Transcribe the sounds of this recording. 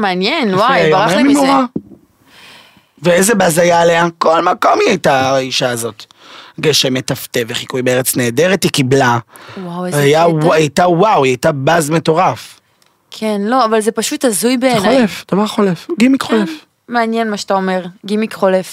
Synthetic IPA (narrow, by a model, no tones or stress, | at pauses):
meanjenwaajaʁaemimoʁa | veezebazajaːleako̞lmako̞miajtaiʃaːzo̞t | ɡeʃemetafteveχikujbeeet͡sne̞ːde̞ʁetikiblawaweajawajtawawiajtabazme̞to̞ʁaf | kʰenlo̞avalzepaʃutazujbeːnolefd̥avaʁχolefɡimikχolef | meanjenmaʃetaomeʁɡimikχolef